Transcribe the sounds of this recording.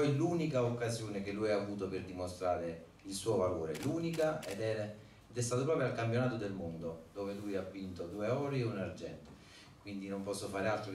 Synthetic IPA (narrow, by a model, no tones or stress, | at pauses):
ɔjluːnikaokːazjoːnekelːujaːvuːt̪operd̪imost̪ɾaːɾe | ilsuːovaloːɾeluːnikaɛd̪ɛɾ | ɛd̪ɛst̪aːt̪op̬ɾɔːpɾoalkampjonaːt̪od̪elmond̪od̪oːvelujavːint̪od̪uːeɔːɾeunard͡ʒɛnt̪e | kwind̪inompɔsːofaːɾealt̪ɾo